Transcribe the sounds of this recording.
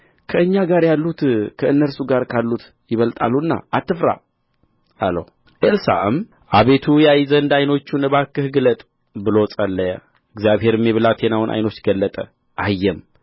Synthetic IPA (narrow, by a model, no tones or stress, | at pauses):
kʰəɨɲːaɡaɾjalːut̪kʰəɨnːəlsuɡaɾkʰalːut̪ | jɪβəlt̪ʼa̰lːuɨnːa̰ʔat̪ːɨfɾa̰ | alə̰h | ʔelsa̰ʔɨ̰m | ʔaβe̞t̪ʰujajzənd̪ajno̞t͡ʃːunɨβakːɨhɡɨlət̪ʼ | bɨlo̞t͡sʼəlːəja | ɨɡzjaβhe̞ɾɨmːjɛβɨlat̪ʰenawɨnʔa̰jno̞t͡ʃːɡəlːət̪ʼə | ʔajːɛm